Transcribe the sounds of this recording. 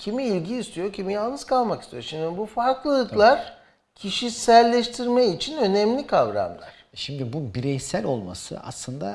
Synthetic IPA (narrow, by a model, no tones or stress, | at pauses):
cʰimiilʲɟiːst̪ʰijocʰimijalˠnɯz̥kʰalˠmakist̪ʰijo̞ɾʃimd̪ibufaɾklˠɯɯklˠaɾ̥ | cʰiʃisælʲːɛʃt̪ʰiɾmɛit͡ʃʰinø̞nɛmlʲikʰavɾa̰mlˠa̰ɾ̥ʃimd̪ibubiɾɛjsælʲo̞lˠma̰sɯ̰a̰slˠɯnd̪a̰